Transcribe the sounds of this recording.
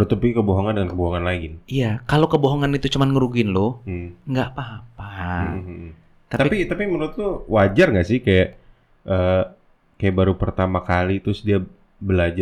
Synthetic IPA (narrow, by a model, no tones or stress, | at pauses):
nut̪ʊpiɡikəboɦoŋandəŋankəboɦoŋanlaɡinijakalokəboɦoŋanit̪ut͡ʃəmanŋəɾuɡɪnlʊh̩ŋɡaʔpaɦapa | t̪at̪apipit̪apimənut̪̚t̪uwad͡ʒarŋɡaʔsɪhkajaʔ | ʔəː | kajaʔbaɾupərt̪amakalit̪ɾʊsdia | bəlad͡ʒa